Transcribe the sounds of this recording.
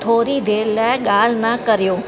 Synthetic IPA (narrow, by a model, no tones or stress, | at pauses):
t̪ʰoːɾid̪ʱelaɡalnakəɾjoː